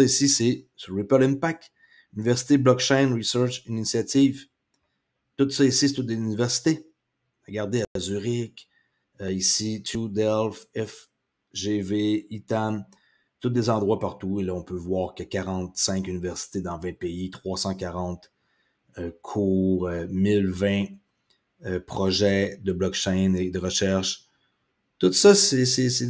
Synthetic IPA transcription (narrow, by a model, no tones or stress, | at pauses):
isisesʁipɛlɛ̃npak̪̚ | ynivɛʁsi̥t̪eblɔk̚t͡ʃɛjnʁisœʁt͡ʃinisjat̪iːv | t̪ʊt̪sʌisiset̪ʊt̪̚d̪ezynivɛʁsi̥t̪e | aɡaʁd̪eaazyʁɪkʲ | øisit̪ud̪ɛlfɛf | ʒeveit̪am | t̪ʊt̪̚d̪ezɑ̃d̪ʁwapaʁt̪uelʌɔ̃pøvwaːʁkəkʲaʁɑ̃t̪sɛ̃kynivɛʁsi̥t̪ed̪ɑ̃vɛ̃peit̪χwasɑ̃kʲaʁɑ̃ːt̪ | økʰuːʁømɪlvɛ̃ | øpχɔʒɛd̪əblɔk̚t͡ʃɛjned̪əʁəʃɛʁʃ | t̪ut̪sʌsɛsɛse